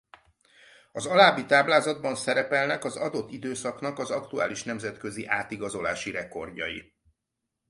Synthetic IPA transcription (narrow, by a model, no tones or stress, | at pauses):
ɒzɒlaːbit̪aːblaːzɒd̪̚bɒnsɛɾɛpɛlnɛkɒzɒd̪o̞t̪ːid̪øːsɒknɒkɒzɒkt̪ua̰ːliʃnɛmzɛt̪kø̞ziʔaːt̪iɡɒzo̞la̰ːʃiɾɛko̞rɟɒ̰jḭ